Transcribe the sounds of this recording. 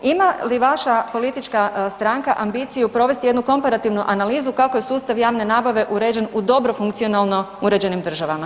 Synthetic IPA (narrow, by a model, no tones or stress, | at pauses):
imaliʋaʃapo̞lit̪it͡ʃkast̪ɾaŋkaʔambiːt̪sijupɾo̞ʋe̞st̪ije̞d̪nuko̞mpaɾat̪iːʋnuʔanaliːzukako̞je̞suːst̪aʋjaːʋne̞naːbaʋe̞ʔuɾed͡ʑe̞nud̪o̞bɾo̞fuŋkt̪sio̞nalˠno̞uɾe̞d͡ʒe̞nimd̪r̩ʒaʋama